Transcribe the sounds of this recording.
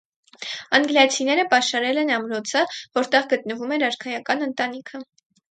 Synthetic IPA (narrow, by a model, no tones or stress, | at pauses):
ɑŋɡljɑt͡sʰinɛɾəpɑʃɑɾɛlɛnɑmɾɔt͡sʰəvɔɾt̪ɛʁɡət̪nəvumɛɾɑɾkʰɑjɑkɑnənt̪ɑn̪ikʰə